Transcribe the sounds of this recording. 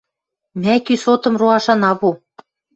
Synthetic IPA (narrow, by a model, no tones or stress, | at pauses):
mækysot̪ɤ̆mruɑʃɑnɑβu